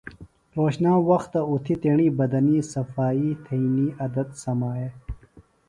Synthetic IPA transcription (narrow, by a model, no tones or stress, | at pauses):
ɾoːɕnãːwɐxt̪ːaut̪ʰit̪eɳibɐd̪ɐnisɐfaːit̪ʰɐiniɐd̪ɐt̪sɐmaːjeː